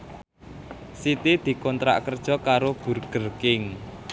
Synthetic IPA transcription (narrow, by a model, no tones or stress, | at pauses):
sit̪id̪̥i̤kɔnt̪ɾa̰ʔkərd̥ʒ̥ɔ̤kaɾob̥ṳrɡ̥ə̤rkɪŋ